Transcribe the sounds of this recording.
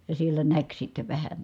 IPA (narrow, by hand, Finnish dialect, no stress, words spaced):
jɑ sielːæ næk sitːe ʋæhæ